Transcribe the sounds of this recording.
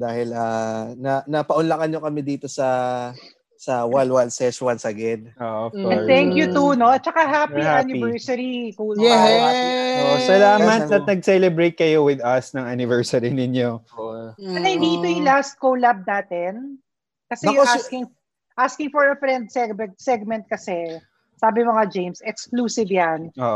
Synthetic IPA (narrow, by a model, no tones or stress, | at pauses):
d̪aːhɪlanɐnɐpɐʔʊnlɐkɐnɲokɐmɛd̪iːt̪osɐ | sɐwalwalsɛswɐnsɐɡɛd̪̚oʔõnt̪ɛŋkjʊt̪unot͡ʃɐkaɦapihanɪvɛɹsɐɾikulɛ | oʔosɐlaːmɐt̪ːɐt̪nɐɡ̚sɛlɛbɾejt̪̚kɐjowɪd̪ɐsnɐŋanɪvɛɹsɐɾinɪnjo | ɐt̪ɐjd̪it̪ojʊŋlast̪̚kowlab̚naːt̪ɛn | kɐsɛjoaskɪŋ | ʔaskɪŋfɔɹɐfɾɛnd̪̚sɛɡmɛsɛɡ̚mɛ̃nt̪̚kɐsɛ | saːbɪmɐŋad͡ʒejmsɛkskluːsɪvjanoːʔ